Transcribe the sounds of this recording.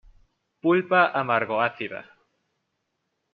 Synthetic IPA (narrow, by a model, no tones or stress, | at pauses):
pulpaʔamaɾɣoaθiða̰